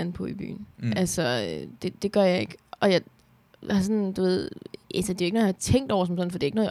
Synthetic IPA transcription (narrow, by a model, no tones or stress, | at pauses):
n̩pʰɔ̽ib̥y̰ːn̩ʔælsɒød̥e̝d̥e̝ɡ̥ɶɐjɑ̈ɪe̝ɡ̥ɒ̽jɑ̈ | hɑ̈s̬ɒ̽nd̥uʋe̝ð̞̰ˠʔælsəd̥e̝oeɡənoːjɑhɑ̈t͡sʰeŋ̰d̥ɒʊ̰ɐsɒ̽m̩sɒ̽n̩fɒd̥e̝ɐoeɡ̥noːj